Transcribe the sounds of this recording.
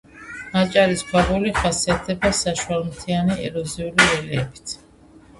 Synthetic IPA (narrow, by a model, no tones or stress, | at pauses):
at͡ʃʼaɾisbaʁuliχasiat̪̚ʰd̪ɛbasaʃualmt̪ʰianiɛ̰ɾɔziuliɾɛlɛɛbi̥t̪ʰ